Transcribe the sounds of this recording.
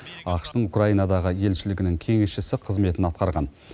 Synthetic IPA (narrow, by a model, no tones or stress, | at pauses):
ɑqʃt̪əɴukraijnɑd̪ɑʁəje̞lʃɪlɪɡʲɪnɪŋkʲʰe̞ŋesʃɪsɪqʰəzme̞t̪ɪnɑt̪̚qɑɾʁɑn